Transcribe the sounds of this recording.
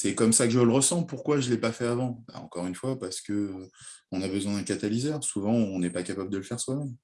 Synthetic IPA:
sɛkɔmsakəʒələʁəsɑ̃puʁkwaʒəlɛpafɛavɑ̃ba̰ɑ̃kɔʁynfwapaʁsə̥kəː | ɔ̃nabəzwɛ̃d̪ɛ̃kat̪alizɛʁsuvɑ̃ɔ̃nɛpakapabləd̪ələfɛʁswamɛm

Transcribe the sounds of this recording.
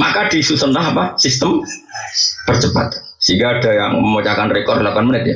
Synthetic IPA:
makadisusənlaɦapasist̪əm | b̥ərt͡ʃəpa̰t̪̚ | siŋɡaːdajaŋməmot͡ʃakanrekɔrlakuanmənɪt̪̚ja

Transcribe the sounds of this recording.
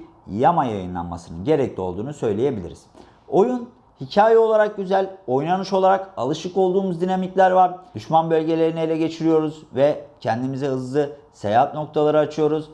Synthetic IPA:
jamajajɯnlˠa̰nma̰sɯnɯ̰nɟe̞ɾɛclʲio̞lˠd̪uːnusø̞jlʲeje̞bilʲḭɾḭz̥ | o̞jun | hicʰaːjɛo̞lˠaɾak̚ɟyzælʲo̞jnanɯʃo̞lˠaɾakalˠɯʃɯko̞lˠd̪uːmuzd̪inamiclʲæɾvaɾd̪yʃmanbø̞lʲɟe̞lʲe̞ɾinɛelʲɛɟe̞t͡ʃʰiɾijo̞ɾuzvɛcʰɛnd̪imizɛɦɯzlˠɯ | sejaɦat̪no̞k̚t̪ʰalˠaɾɯat͡ʃʰɯjo̞ɾuz

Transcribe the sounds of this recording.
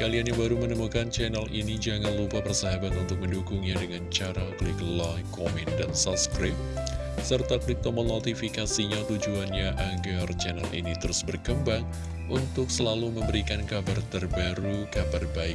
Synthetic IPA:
kalianjaŋbaɾumənəmukant͡ʃɛnalʔinid͡ʒaŋanlupapərsaɦabat̪unt̪ʊk̚məndukʊŋɲadəŋant͡ʃaɾakəlɪklakomɛndansap̚skɾɪp̚ | sərt̪ak̪lit̪ɔmənot̪ifikasiɲat̪ud͡ʒuanɲaʔaɡart͡ʃɛna̰lʔḭnit̪əɾʊsbərkəmbaŋ | ʔunt̪ʊk̚səlaluməmbəɾikankabart̪ərbaɾukabarbaɪk̚

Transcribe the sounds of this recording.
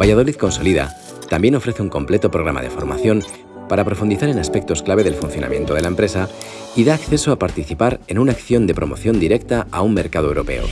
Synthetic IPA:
baʝað̞o̞liðko̞nso̞liða̰ | t̪ambje̞no̞fɾe̞θeuŋko̞mple̞t̪o̞pɾo̞ɣ̞ɾama̰ð̞efo̞ɾma̰θjo̞n | paɾapɾo̞fund̪iθaɾe̞naspe̞k̚t̪o̞sklaβ̞e̞ðe̞lfunθjo̞na̰mje̞nt̪oð̞e̞laempɾe̞sa | iðaːkθe̞soapaɾt̪iθipaɾe̞nunaːkθjo̞nd̪epɾo̞mo̞θjo̞nd̪iɾe̞kt̪aaumme̞ɾkað̞o̞ewɾo̞pe̞̰o̰

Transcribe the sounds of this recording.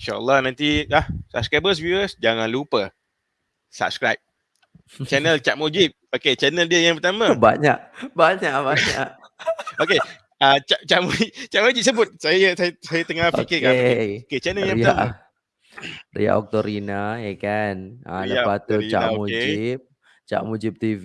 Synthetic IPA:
inʃaʔə̰lːɑhnãnt̪ilahsa̰p̚skɾajbəs̬vuəsd͡ʒaŋãnlupə | sa̰p̚skɾajp̚ | t͡ʃɛnəlt͡ʃaʔ̚mod͡ʒip̚oket͡ʃɛnəldiəjaŋpət̪aməba̰ɲaʔbaɲaʔbaɲa̰ʔ | oke | at͡ʃaʔt͡ʃaʔmuit͡ʃaʔmod͡ʒip̚səbʊt̪̚sajəsajsajət̪əŋaikikaoket͡ʃɛnəljaãa̰ | rḭa̰ʔɔ̰k̚t̪oɾinaekana̰dabat̪uit͡ʃa̰naomuked͡ʒip̚ | t͡ʃa̰ʔmud͡ʒip̚t̪iv

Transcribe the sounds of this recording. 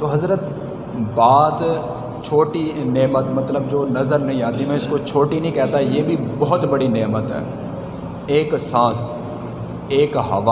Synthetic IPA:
t̪oːɦɐzɾət̪ | baːd̪ | t͡ʃʰoːʈineːmət̪mɐt̪ləbd͡ʒoːnɐzəɾnɐɦĩaːt̪imɛ̃ɪskot͡ʃʰoːʈinə̃ɦĩkɛːt̪ajeːbʱibɔɦʊt̪bɐɽineːmət̪ɦɛ̰ː | eːksãːs | eːkɦɐ̰ʋa

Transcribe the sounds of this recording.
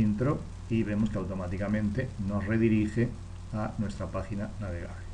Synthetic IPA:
int̪ɾo | iβemoskeawt̪omat̪ikamẽnt̪enoszreðiɾixe | anwest̪ɾapaxinanaβeɣa̰βle

